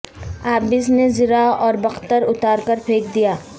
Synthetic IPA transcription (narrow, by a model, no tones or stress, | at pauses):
aːbɪsnezɪɾaːɔːɾbɐxt̪əɾʊt̪aːɾkɐɾpʰeːkd̪ijaː